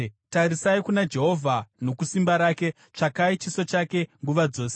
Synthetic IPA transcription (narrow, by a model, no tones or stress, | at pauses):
taɾisaikunad͡ʒe̞ɦo̞vʱano̞kusimbaɾaːke̞ | t͡ʂakait͡ʃiso̞t͡ʃake̞ŋɡuʋad͡zo̞ːse